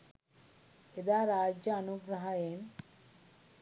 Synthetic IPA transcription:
ed̪aːɾaːd͡ʒjɐːnuɡɾɐɦajeːn

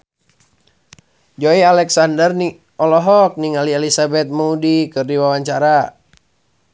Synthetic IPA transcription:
d͡ʒoialɛksandərni | ɔlɔɦɔk̚niŋaliɛlisabɛt̪̚muudikɨrdiwawaɲt͡ʃaɾa

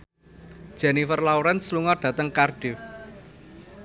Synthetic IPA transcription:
d̥ʒ̥ɛ̤nifərlawɾɛnsluŋɔɖ̥ä̤t̪əŋkarɖ̥e

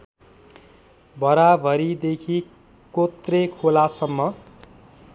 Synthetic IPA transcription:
bʱʌɾabʱʌɾid̪ekʰi | kot̪rekʰolasʌmːʌ

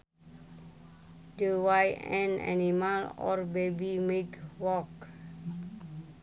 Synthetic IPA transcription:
dəwajɛ̃na̰nimalɔ̰rbebimekwɔk

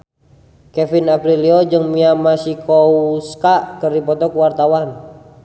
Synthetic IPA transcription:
kɛfinapɾiliɔd͡ʒɨŋmiamasikʰouskaʔkəripɔt̪ɔkuwart̪awan

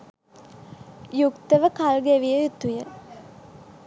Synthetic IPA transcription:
jukt̪əʋəkalɡeʋijəjut̪ujə

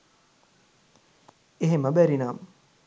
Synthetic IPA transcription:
eɦeməbæɾinaːmə

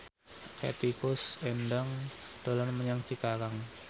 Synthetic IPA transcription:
kḛt̪ikʊsendaŋd̪̥o̤lanməɲaŋt͡ʃikakaŋ

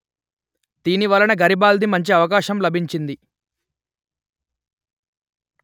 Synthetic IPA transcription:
d̪iːniʋɐlɐnɐɡɐɾibaːld̪imɐɲt͡ʃiɐʋɐk̬aːʃɐmlɐbʱiɲt͡ʃind̪i

